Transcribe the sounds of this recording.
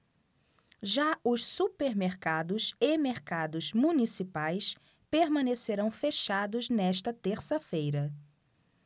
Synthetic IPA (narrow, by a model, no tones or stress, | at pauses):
ʒaʊʃsupeɾmeɾkad̪ʊsemeɾkad̪ʊzmũnisipajs | peɾmɐ̃neseɾɐ̃w̃feʃad̪ʊznɛʃt̪ɐt̪eɾsɐfejɾɐ